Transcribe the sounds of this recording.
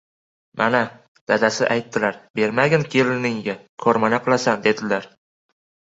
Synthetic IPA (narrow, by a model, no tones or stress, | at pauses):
mʔana | d̪̥ad̪asɪʔajt̪ːɪlaɾbe̞ɾmaɡʲankʲʰe̞lɪnɪŋɡʲakʰɒɾmanaqʰɨlˠasand̪e̞d̪ɪlaɾ